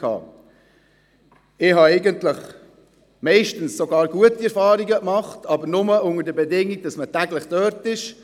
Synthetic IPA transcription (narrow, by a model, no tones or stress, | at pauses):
kʰɑ̰ː | ɪhɑɛɪɡəntləχ | mɛɪʃtənssoɡɑːɾɡ̥uətiɛɾfɑːɾiɡəkmɑχtɑbəɾnʊməʊŋəɾdəbɛdɪŋːiɡ̚d̥ɑsmətæɡləχd̥œːɾtɪʃ